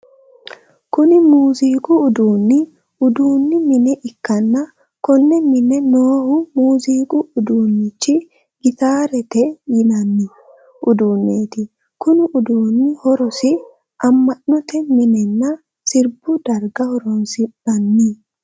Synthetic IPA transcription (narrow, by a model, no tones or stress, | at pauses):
kʊnɪmuːziːkʊːd̪uːnːɪ | ʊd̪uːnːɪmɪnɛʔɪkːɐnːɐ | kɔnːɛmɪnɛnoːhʊmuːziːkʼʊʊd̪uːnːɪt͡ʃːɪ | ɡɪt̪aːɾɛt̪ɛjɪnɐnːɪ | ʔʊd̪uːnːeːt̪ɪ | kʊnɪʔʊd̪uːnːɪhɔɾɔsɪ | ʔɐmːɐnːɔt̪ɛmɪnɛnːɐ | sɪɾbʊd̪ɐɾɡɐhɔɾɔnsɪb̥ɐnːiː